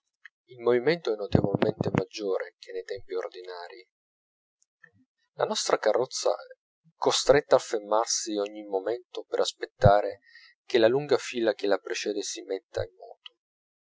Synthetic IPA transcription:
ilmoviment̪oɛnːot̪evolment̪emad͡ʒːoːɾʔek̟ʰenːejt̪ɛmpiord̪inaːɾi | la̰nɔst̪ɾakarːɔt̪sːa̰ | ɛkːost̪ɾet̪ːaːfːermːarsiɔɲːimoment̪opeɾʔaspet̪ːaːɾe | k̟elaluŋɡafiːlak̟elapɾet͡ʃɛːd̪esimet̪ːa̰imːɔ̰ːt̪o̥

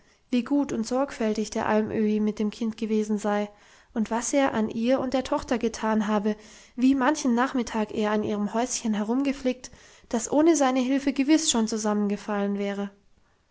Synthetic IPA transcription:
viːɡuːtʊntz̥ɔɐkfɛltɪçd̥eːɐʔalmʔøːimɪt̚d̥eːmkʰɪntɡ̥əveːzn̩zaɪ | ʔʊntv̥asʔeːɐʔanʔiːɐʊntd̥eːɐtʰɔχtɐɡətʰaːnɦaːbə | viːmançn̩ːaːχmɪtʰaːkʔeːɐanʔḭːʁ̞əmhɔʏsçənɦɛʁ̞ʊmɡəflɪːk̚t | d̥asʔoːnəzaɪnəɦɪlfəɡəvɪsʃoːnt͡suzamənɡəfalənvɛːʁ̞ə

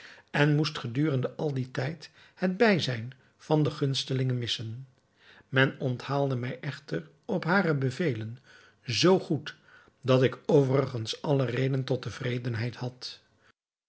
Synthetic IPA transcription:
ɛnmustχədyːrəndəʔɑlˠditɛjt | həd̚bɛjzɛjn | v̥ɑndəχɵnstəlɪŋənmɪsən | mɛnɔnthaːlˠdəmɛjʔɛχtər | ɔpɦaːrəbəvejlən | zowχut | dɑtɪkowvərəχənsɑlərejdəntɔtəvrejdənɦɛjthɑt

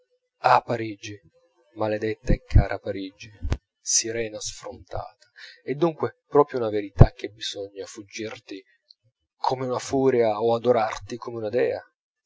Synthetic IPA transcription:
apːaɾiːd͡ʒi | maled̪et̪ːaɛkʰːaːɾʔapaɾiːd͡ʒi | siɾɛːnasfɾont̪a̰ːt̪ʰḁɛd̪ːuŋkwepɾɔːpɾjounaveɾit̪ak̟ːebiz̥ɔɲːafud͡ʒːirt̪i | kʰomeunafuːɾjaoad̪oɾart̪ikʰomeunad̪ɛːa̰

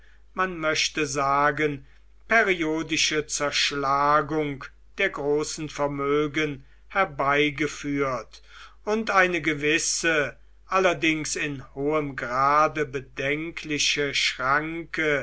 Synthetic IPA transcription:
manmœʃtəzaːɡən | peʁioːdɪʃət͡sɛɐʃlaːɡʊŋk | d̥eːɐɡʁoːsn̩fɛɐmøːɡən | hɛɐbaɪɡəfyːɐt | ʊntaɪnəɡəvɪsə | ʔalɐdɪŋsɪnhoːəmɡʁaːdəbədɛŋkʰlɪʃəʃʁ̥aŋkə

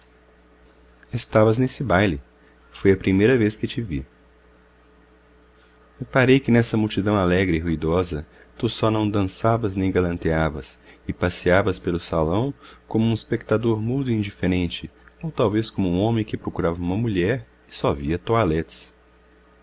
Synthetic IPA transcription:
est̪avɐznesɪbajlɪ | fojɐpɾimejɾɐveskɪt͡ʃɪvḭ | epaɾejkɪnɛsɐmuwt͡ʃid̪ɐ̃w̃alɛɡɾɪiɦuid̪ɔzɐ | t̪usɔnɐ̃w̃d̪ɐ̃savɐznẽj̃ɡalɐ̃nt̪eavɐsɪpasiavɐspelʊsalɐ̃w̃kõmʊũispek̚t̪ad̪oɾmũd̪ʊiĩd͡ʒifeɾẽnt͡ʃɪowt̪awveskõmʊũõmẽj̃kɪpɾokuɾavɐũmɐmuʎɛɾ | ɪsɔviɐt̪oalɛt͡ʃ̪ɪ̥s

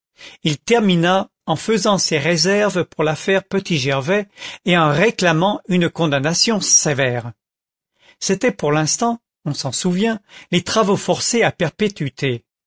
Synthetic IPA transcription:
ilt̪ɛʁmina | ɑ̃fəzɑ̃seʁezɛʁvpuʁlafɛʁpət̪iʒɛʁvɛeɑ̃ʁeklamɑ̃ynkɔ̃d̪anasjɔ̃sevɛːʁ | set̪ɛpuʁlɛ̃st̪ɑ̃ | ɔ̃sɑ̃suvjɛ̃let̪χavofɔʁseapɛʁpet̪ɥyt̪e

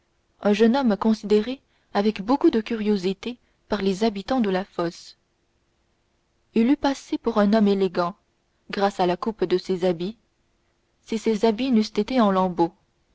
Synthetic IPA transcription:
ɛ̃ʒənɔmkɔ̃sid̪eʁe | avɛkbokud̪əkʲyʁjozit̪e | paʁlezabit̪ɑ̃d̪əlafɔs | ilypasepuʁɛ̃nɔmeleɡɑ̃ | ɡʁasalakupd̪əsezabi | sisezabinyst̪et̪eɑ̃lɑ̃bo

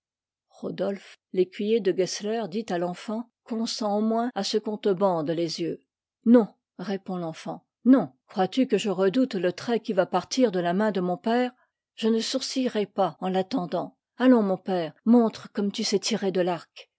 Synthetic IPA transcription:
ʁod̪ɔlflekʲɥijed̪əɡɛslɛʁd̪it̪alɑ̃fɑ̃ | kɔ̃sɑ̃omwɛ̃asəkɔ̃t̪əbɑ̃d̪lezjø | nɔ̃ | ʁepɔ̃lɑ̃fɑ̰̃ | nɔ̃kχwat̪ykəʒəʁəd̪ut̪lət̪χɛkʲivapaʁt̪iʁd̪əlamɛ̃d̪əmɔ̃pɛːʁ | ʒ̥ənəsuʁsiʁɛpaɑ̃lat̪ɑ̃d̪ɑ̃ | alɔ̃mɔ̃pɛːʁmɔ̃t̪χəkɔmt̪ysɛt̪ʰiʁed̪əlaʁk

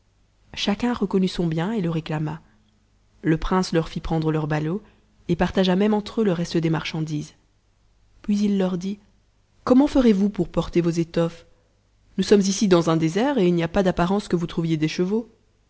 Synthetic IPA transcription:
ʃakʲɛ̃ʁəkɔnysɔ̃bjɛ̃eləʁeklama | ləpχɛ̃slœʁfipχɑ̃d̪ʁəlœʁbalo | epaʁt̪aʒamɛmɑ̃t̪χøləʁɛst̪əd̪emaʁʃɑ̃d̪iːz | pɥizilːœʁd̪i | kɔmɑ̃fəʁevupuʁpɔʁt̪evozet̪ɔf | nusɔmzisid̪ɑ̃zɛ̃d̪ezɛʁeilnijapad̪apaʁɑ̃skəvut̪χuvjed̪eʃəvo

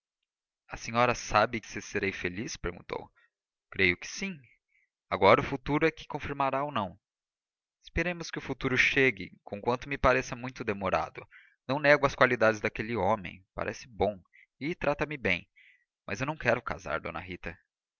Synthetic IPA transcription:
ɐsẽɲɔɾɐsabɪkɪ̥seseɾejfelispeɾɡṵ̃nt̪o̰w | kɾejʊkɪ̥sĩ | aɡɔɾɐʊfut̪uɾʊɛkɪ̥kõfiɾmaɾaownɐ̃w̃ | ɪspeɾẽmʊskɪʊfut̪uɾʊʃeɡɪ̰kõkwɐ̃nt̪ʊmɪpaɾɛsɐmũj̃t̪ʊd̪emoɾa̰d̪ʊ | nɐ̃w̃nɛɡʊɐskwalid̪ad͡ʒɪzd̪ɐkelɪomḛ̃j̃pa̰ɾʔɛsɪ̥bõ | ɪt̪ɾat̪ɐmɪbẽj̃ | mɐ̰zewnɐ̃w̃kɛɾʊka̰za̰ɾd̪õ̰nɐ̰ɦit̪ɐ

